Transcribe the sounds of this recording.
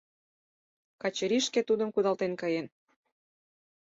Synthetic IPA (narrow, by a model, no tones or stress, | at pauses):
kɑt͡ɕəɾiʃket̪ud̪ə̆mkud̪ɑlt̪enkɑjen